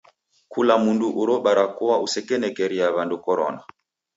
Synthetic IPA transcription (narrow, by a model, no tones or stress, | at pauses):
kulamunduʔuɾɔɓaɾakuwausɛkɛnɛkɛɾiaβandukɔɾɔ̰na